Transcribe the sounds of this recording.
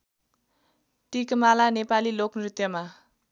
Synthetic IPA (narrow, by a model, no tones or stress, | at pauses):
ʈikmalanepaliloknrit̪jʌma